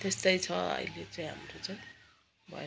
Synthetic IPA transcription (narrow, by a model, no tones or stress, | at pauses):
t̪est̪ʌjt͡sʰʌʌ̰jlet͡sʌj̃ɦa̰mɾot͡saj̃ | bʱʌ̰e